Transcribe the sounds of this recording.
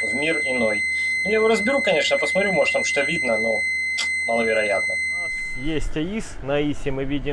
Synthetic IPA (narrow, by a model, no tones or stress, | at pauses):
vmʲirɪnoj | mnʲejvoɾəzbʲɪɾukɐnʲe̞ʂnəpəsmɐt̪ɾʲumoʐt̪amʂt̪ovʲid̪nəno | mɐlˠəvʲɪɾɐjat̪nə | nas | jesʲtʲɐisnɐisʲɪmɨvʲidʲɪ